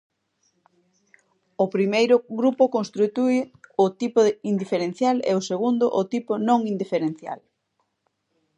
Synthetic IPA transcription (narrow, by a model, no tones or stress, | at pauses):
ʊpɾimejɾʊɣɾupʊkonst̪ɾit̪uɪʊt̪ipʊind̪ifeɾẽn̟θjalɛ̰oseɣund̪ʊ̰ʔʊt̪ipʊnõŋind̪ifeɾen̟θja̰l